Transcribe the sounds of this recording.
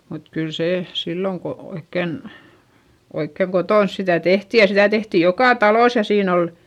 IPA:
mut kyl seˑ silːoŋ ko oikːen oikːeŋ kotoˑns sitæˑ tehti jɑ sitæ tehtij jokɑˑ tɑlois jɑ siːn ol

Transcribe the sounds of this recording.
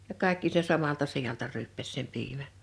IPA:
jɑ kɑˑe̝kːi se sɑmɑltɑ sijɑltɑ ryːpːæs sem piːmæ

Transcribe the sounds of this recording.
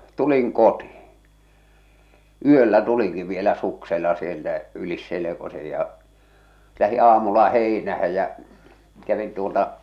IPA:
tuliŋ koti̥ː yølːæ tuliŋki ʋielæ sukselːɑ sieltæ ylis selekose jɑ læhi ɑːmulːɑ heˑinæhæ jæ̠ kæʋin tuoltɑ

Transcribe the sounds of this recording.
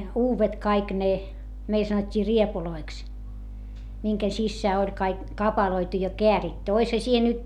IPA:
uːʋet kɑik ne meil sɑnotʲːiː riepuloiks miŋken sisːæː olʲ kɑik kɑpɑloitu jɑ keæritːy oishɑ siːhe nyt

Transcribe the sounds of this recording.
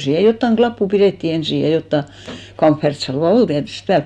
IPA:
siːhe jotːɑŋ ɡ̊lɑpːu pireˑtːi ensiˑ jɑ jotːɑ kɑmfːertsɑlʋɑ ol tiætyst pæːl

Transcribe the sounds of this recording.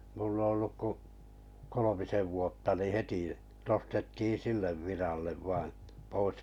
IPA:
mulːɑ̆ olːuk ku kolomiseʋ ʋuotːɑ niː heti nostetːiː silːeʋ ʋirɑlːeʋ ʋɑĩː pois

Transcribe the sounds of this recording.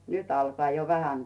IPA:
nyt ɑlkŏɑˑ jo ʋæhæn

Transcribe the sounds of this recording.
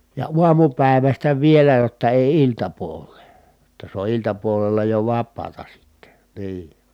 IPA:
jɑ uɑmupæˑi̯ʋæstæ ʋielæ jotːɑ eˑi iltɑpuolˑeː jotːɑ se o iltɑpuolelːɑ jo ʋɑpːɑːtɑ sitːe niː

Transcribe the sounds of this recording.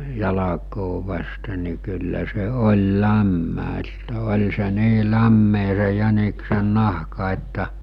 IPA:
jɑlɑkoː ʋɑste ni kylːæ se olʲ læmːæ etːæ olʲ se niː læmːeː se jæniksenˑɑhkɑ etːæ

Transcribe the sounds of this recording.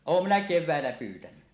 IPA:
oːm minæ keʋˑæˑelːæ pyːtæny

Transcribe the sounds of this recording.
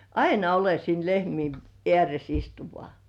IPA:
ɑinɑ ole siːn lehmiːn eæres istu ʋŏɑˑ

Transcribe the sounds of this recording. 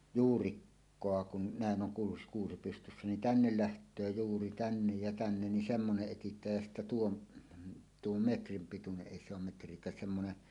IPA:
juːrikːoɑ kun næˑen ʔoŋ kuːs kuːsi pystysːæ nin tænːel læhtˑøː juːri tænːej jɑ tænːen nin semːoneʔ ʔetitˑæːj jæ sitːæ tuon tuom metrim pituneʔ ʔeˑi se om metrˑiekˑæːs semːone

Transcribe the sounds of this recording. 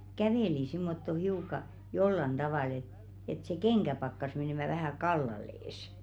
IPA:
kæʋeˑli simːotːo hiukɑ jolːɑn d̥ɑʋɑˑl et et se keŋkæ pɑkːɑs meneˑmæ ʋæhæ kɑlːɑlˑeːs

